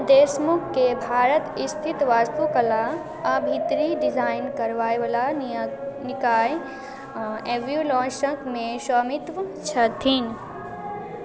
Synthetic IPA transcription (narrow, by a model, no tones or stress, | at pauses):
d̪eːsmʊkkebʱaːɾət̪ist̪ʰit̪ʋaːst̪ukɐla | ɐbʱit̪ɾiɖizaːɪnkɐɾʋaːjʋɐla | nɪkaːj | eʋjulɔ̃ːʃəkmẽʃɐmɪt̪ʋt͡ʃʰɐt̪ʰiːn